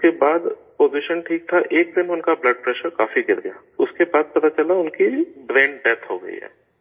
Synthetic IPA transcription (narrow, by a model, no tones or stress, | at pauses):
kebaːd̪poːziʃənʈʰiːk̚t̪ʰaʔeːk̚d̪ɪnʊnkablɐɖ̚pɾɛːʃəɾkaːfiɡɪɾɡ̪ɐja̰ː | ʊskebaːd̪̚pɐt̪at͡ʃɐlaʊnkibɾɛ̃ːɳɖɖɛt̪ʰɦoɡɐ̰ḭɦɛ̰ː